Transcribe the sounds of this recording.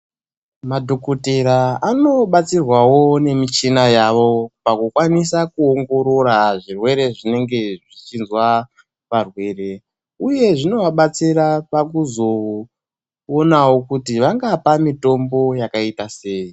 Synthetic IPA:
madʱo̞koteɾaanoɓat͡sirwawo̞ne̞mit͡ʃinajaʋopakukwanisakuoŋɡo̞ɾo̞ɾaʐirwe̞ɾe̞ʐine̞ŋɡe̞ʐit͡ʃinzwa | ʋarwe̞re̞ | uje̞ʐino̞ʋaɓat͡siɾapak̬uzo | onawo̞kutiʋaŋɡapamito̞mbo̞jakaitaseːji

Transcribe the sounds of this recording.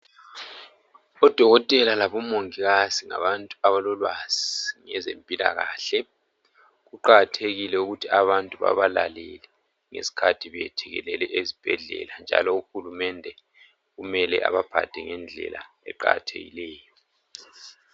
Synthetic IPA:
ɔd̥ʱɔɣɔtʼɛlalaβɔmoŋiɣaziŋa̰βantʼuaβalɔlwaz̥iŋɛzempʼila̰ɣaːɬɛ | ɣuǃaɣatʰeɣilɛuɣutʰiaβantʼuβa̰βalalɛlɛ | ŋḛsi̥kʰatʰiβɛtʰɛɣɛlɛlɛʔezib̥ʱɛɮɛ̰land͡ʒʱa̰lɔuxulumɛndʱɛ | ɣumɛlɛa̰βab̥ʱa̰d̥ʱɛŋɛnd͡ɮʱɛ̰la̰ | ɛ̰ǃa̰ɣa̰tʰḛɣḭlɛːjɔ

